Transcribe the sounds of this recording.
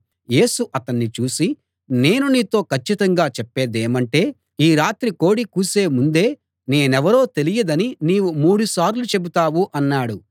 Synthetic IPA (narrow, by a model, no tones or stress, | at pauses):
je̞ːsuʔɐt̪ɐnːit͡ʃuːsi | ne̞ːnuniːt̪o̞ːkɐt͡ʃːit̪ɐŋɡaːt͡ʃɛpːeːd̪eːmɐɳʈe̞ː | iːɾaːt̪ɾiko̞ːɽikuːse̞ːmund̪e̞ː | ne̞ːnɛʋɐɾo̞ːt̪e̞lijɐd̪ɐniniːwumuːɽusaːɾlut͡ʃe̞but̪aːwuʔɐnːaːɽu